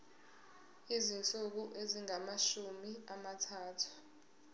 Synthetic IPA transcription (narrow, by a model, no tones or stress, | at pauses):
izint͡sʼuk̬uʔeziŋamaʃumiamatʰaːtʰu̥